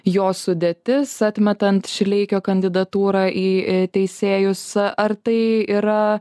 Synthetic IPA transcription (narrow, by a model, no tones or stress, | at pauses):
joːsʊd̪ʲeːt̪ʲɪsɐt̪ʲmʲɛt̪ɐnt̪ʃʲlʲɛɪkʲoːkɐnʲd̪ʲɪd̪ɐt̪uːɾɑːʔiːt̪ʲɛɪsʲeːjʊsʔɐrt̪ɐɪiːɾɐ